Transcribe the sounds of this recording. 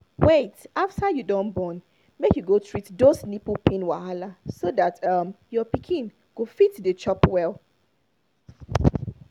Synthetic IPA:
wetaftajudɔ̃nbɔ̃n | mekjuɡotʰɹitdosnipupʰĩnwahalasodatʌmjɔpikʰĩn | ɡ̥ofitdət͡ʃɔpwɛl

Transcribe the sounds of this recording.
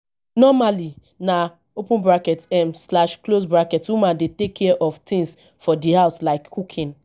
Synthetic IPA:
nɔmali | na | opũnbɾakɛtɛmslaʃklosbɹakɛtwumãndetekʰːɛʔɔftʰĩŋs | fɔdiɦaʊslaɪkʰːukʰĩn

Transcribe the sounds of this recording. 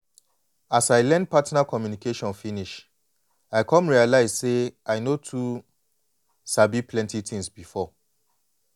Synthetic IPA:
asaɪlɛ̃nd̚pʰatnakʰɔmjunikʰeʃɔ̃nfiniʃ | aɪkʰɔ̃mɹialaɪzseaɪnotʰu | sabipʰlɛ̃ntʰitʰĩŋsbifɔ

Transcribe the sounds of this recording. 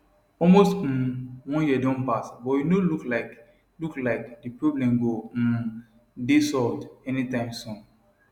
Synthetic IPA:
ɔlmostwɔ̃njidõnpasbɔjinoluklaɪk | luklaɪkdipɹoblɛ̃mɡo | desɔldɛnitãɪ̃msɔ̃n

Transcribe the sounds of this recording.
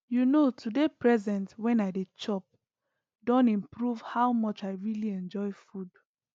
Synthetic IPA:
junotʰudepɹɛzɛ̃ntwɛ̃naɪdet͡ʃɔp̚ | dɔ̃nĩmpɹuv̥hawmɔt͡ʃaɪɹiliɛ̃nd͡ʒɔɪfud

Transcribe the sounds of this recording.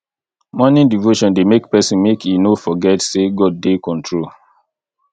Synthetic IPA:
mɔnĩndivoʃɔ̃ndemekpɛsĩnmekʰinofɔɡɛtseɡɔd̚ːekɔ̃ntʰɹol

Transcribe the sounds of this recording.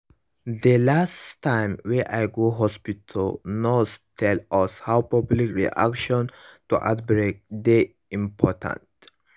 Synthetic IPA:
delastʰːãɪ̃mweʔajɡoɦɔspitʰəlnostʰɛlʔɔshawpɔblikɹḭʔa̰kʃɔ̃ntuʔa̰tbɾek̚d̪e | ĩmpʰɔtʰã̰nt

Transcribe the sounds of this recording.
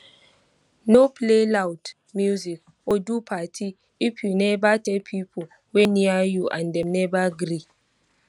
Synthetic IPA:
nopʰlelawt | mjuzik | odupʰatʰi | ipʰjunɛbatepʰipʰo | weniajuʔã̰ndɛ̃mnɛbaɡɾi

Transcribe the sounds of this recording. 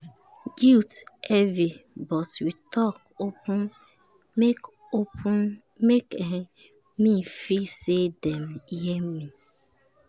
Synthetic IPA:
ɡiltevibɔtwitɔk | opu | k | op | mekeɦe | mifisedem̩iɦem̩mi

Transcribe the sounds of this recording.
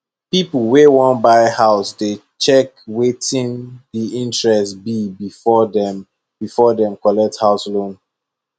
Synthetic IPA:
pipl̩ˠwewɔ̃nbaɪhaʊsde | t͡ʃɛkwetĩndiĩntɹɛstbibifɔdɛm | b̥ifɔdɛ̃mkɔlɛk̚thaʊslõn

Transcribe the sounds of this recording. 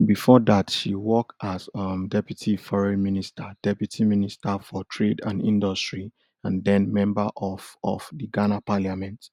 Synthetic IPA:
bifɔdatʃiwɔktazmdɛpjutʰifɔɹɛ̃nministʰəd̥ɛpjutʰiministʰafɔtʰɹedãnĩndɔstɹi | ãndɛ̃nmɛ̃mbəʔɔfɔ̰fdiɡanapaljamɛ̃nt

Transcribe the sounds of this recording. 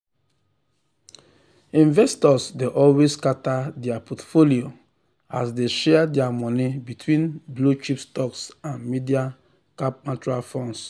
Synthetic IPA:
ĩnvɛstɔsdeʔɔlweskatadɛapʰɔtfolio | asdeʃɛdɛamɔ̃nibitʰwĩnblot͡ʃipstɔksãnmidia | kap̚nat͡ʃuɾalfɔ̃ns

